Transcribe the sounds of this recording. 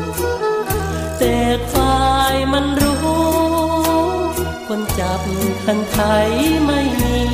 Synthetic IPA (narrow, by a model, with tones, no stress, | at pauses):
t̪eː˨˩k̚faː˧jma˧˥˧nɾuː˦˥˦ | kʰo˧nt͡ɕa˨˩p̚kʰa˧nt͡ɕʰa˧jma˥˩j